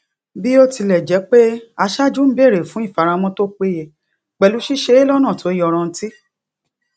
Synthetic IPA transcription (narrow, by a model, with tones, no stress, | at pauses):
bi˦o˦ti˧lɛ˨d͡ʒɛ˨˦k͡pe˦a˧ʃa˦d͡ʒu˦m̩˦be˦˨ɾe˨fũ˨˦i˦˨fa˨˧ɾã˧˦mɔ̃˦to˦k͡pe˦je˧˨ | k͡pɛ˨lu˨˦ʃi˦ʃe˧˦e˦lɔ˦nã˦˨to˨˦jɔ˧ɾ̃ɔ̃˧n̩˦ti˦